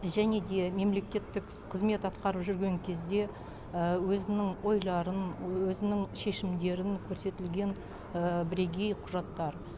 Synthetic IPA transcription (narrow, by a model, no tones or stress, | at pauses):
ʒæne̞d̪e̞me̞mle̞kʲe̞t̪ːɪk | qʰəzme̞t̪ɑt̪qɑɾəpʒʏɾɡʲe̞ŋkʲʰe̞zd̪e̞ | əwɵzɪnɪŋwo̞jlˠɑɾənwɵzɪnɪŋʃe̞ʃɪmd̪e̞ɾɪnkʲʰɵɾse̞t̪ɪlɡʲe̞n | bɪɾe̞ɡʲe̞jqʰʊʒɑt̪ːɑɾ